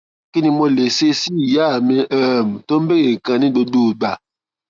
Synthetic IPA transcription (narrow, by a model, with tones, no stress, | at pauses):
ki˦ni˦mɔ˦le˨se˦si˦˨ja˦˨mi˦ʔɛ˦˨m˨to˦m̩˦be˦ɣe˨ŋ˨kã˨ni˦bo˦duː˦˨ba˨